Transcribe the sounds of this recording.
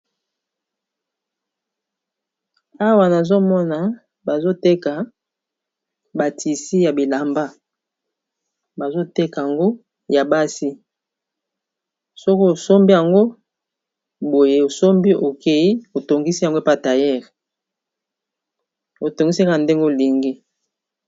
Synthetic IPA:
a˦wa˨na˨zo˦mɔ˦na˨ | ba˨zo˦te˦ka˨ | ba˨tʰi˨si˦ja˨bi˨la˨mba˦ | ba˨zo˦te˦ka˨a˨ŋɡo˦ | ja˨ba˦si˦ | sɔ˦ko˦o˨so˦mbi˦ja˨ŋɡo˦ | bo˨je˨o˨so˦mbi˦o˨kʰe˨i˦o˨to˨ŋɡi˦si˦ja˨ŋɡo˦˨pa˦˨ta˨jɛ˦ʁ | o˨to˨ŋɡi˦sa˦knde˦ŋɡe˦˨li˨ŋɡi˦

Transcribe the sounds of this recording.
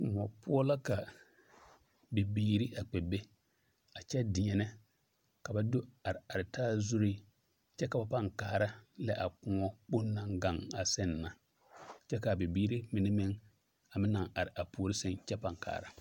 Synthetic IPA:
m˨ɔ˨pʊ˦ɔ˦la˦ka˨ | be˨biː˦ɾi˦a˨k͡pɛ˨be˦ | a˨t͡ʃɛ˦dɪ˨ɲɛ˨nɛ˦ | ka˨ba˦do˦a˨ɾɪ˨a˨ɾɪ˨taː˦zu˦ɾi˦ | t͡ʃɛ˦ka˨ba˨pa˦˨ŋkaː˨ɾa˦lɛ˦ʔa˨k͡pʊ˦ɔ˦k͡pʊ˦nː˦a˨ŋɡa˨ŋa˨sɛ˦nː˨a˨ | t͡ʃɛ˦ka˨bi˨biː˦ɾi˦mɪ˨nɪ˦mɪ˦ŋ | a˨mɪ˦na˨ŋa˨ɾɪ˨ʔa˨pu˨o˨ɾi˦sɛ˦nt͡ʃɛ˦pa˨ŋka̰ː˨ɾa˨

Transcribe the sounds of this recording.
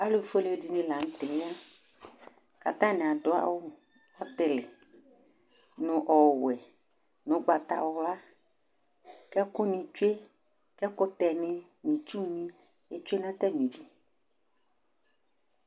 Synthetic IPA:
a˦lu˦˨fo˦le˨˦˨di˨˦nĩ˦la˨ŋ̩̃˦t̪e˨nẽ˦ã˦ | ka̰˨t̪ã˦nɛ̃˨a˨ɖo˦a̰˦wo˦ | ɔ˦t̪e˨le˨ | nũ˨ʔɔ˨wɛ˨ | nõ˨˦ɡ͡ba˨t̪a̰˨wo˦la˦ | kɛ˦ku˦nĩ˨t͡ʃu˦e˦ | kɛ˦ko˦t̪ɛ˨nɪ̃˦ | mĩ˨t͡ʃu˦nĩ˦ | e˦t͡ʃu˦e˦nã˦t̪ɛ˦mĩ˨vi˨

